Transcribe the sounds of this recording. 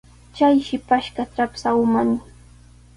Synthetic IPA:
t͡ʃajʃɪpaʃkaʈ͡ʂapsawmanɪ

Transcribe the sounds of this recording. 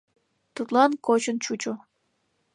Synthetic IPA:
t̪ut̪lɑnkot͡ɕənt͡ɕut͡ɕo

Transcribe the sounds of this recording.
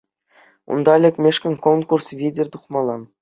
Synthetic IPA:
ṵnd̪ɑlʲɘ̆kʲmʲeʂkʲɘ̆nʲkonkursvʲidʲɘ̆rʲt̪uχmɑlˠɑn

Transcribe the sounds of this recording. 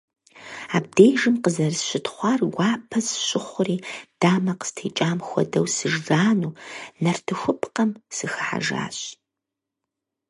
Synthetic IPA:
aːb̚dejʒɨmqəzɐrsɕɪtʰχʷɑːrɡʷɑːpʰɐzɕʼɪχʷʊriːd̥aːmɐqə̥stʰeːt͡ʃʼaːmxʷɔ̰dɐwsɨʒɡaːnuːnɐrtʰɨxʷʊpʰqɐmsɨxɨħa̰ʒa̰ːɕ

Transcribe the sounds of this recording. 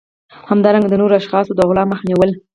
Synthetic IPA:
hamd̪ɑɾaŋɡad̪ənoɾoaʃxɑsod̪əɣlɑməxniwəl

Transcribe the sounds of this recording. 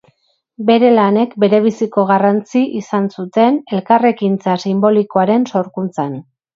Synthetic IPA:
be̞ɾe̞lane̞kbe̞ɾe̞β̞isiko̞ɣ̞arant͡siʔisansut̪e̞ne̞lkare̞kint͡sasimbo̞liko̞aɾe̞nso̞ɾkunt͡san

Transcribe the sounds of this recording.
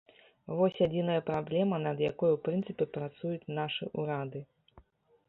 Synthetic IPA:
vɔsʲad͡zʲinɐjɐpɾablʲɛmɐnɐd̪jakɔjuwpɾɨnt̪sɨpʲɛpɾat̪sujut͡sʲnaʂɨʔuɾad̪ɨ

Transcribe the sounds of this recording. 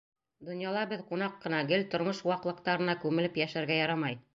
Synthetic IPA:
d̪ŏnjɑlˠɑbɘðqunɑqːɤ̆nɑɡɘlt̪ŏɾmɤʃwɑqlˠɤ̆q̚t̪ɑɾɤ̆nɑkʉmɘ̆lɘpjæʃæɾɡæjɑɾɑmɑj

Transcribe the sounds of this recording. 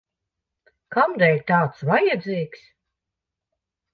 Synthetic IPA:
kamd̪ɛjʲt̪aːt̪svajad̪ziːks

